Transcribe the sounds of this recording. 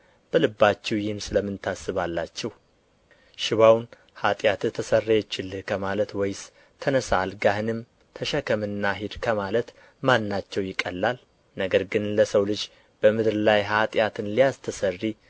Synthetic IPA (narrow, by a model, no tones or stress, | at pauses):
b̥əlɨbːat͡ʃːɛwjɪnsɨləmɨnt̪ʰasːɨβalːat͡ʃːɛh | ʃɪβawn | hat̪ʼjat̪ɨt̪ʰəsərːejɛt͡ʃːɪlɨkʰəmalət̪wɔjs | t̪ʰənəsalɡahɨnɨm | t̪ʰəʃəkʰəmɨnːaɦɪd̪kʰəmalət̪ | manːat͡ʃːɛwjɪkʼːəlːal | nəɡəɾɡɨnləsəwlɨd͡ʒ | b̥əmɨd̪ɾɨlajɦat̪ʼjat̪ʰɨnlijast̪ʰəsərːi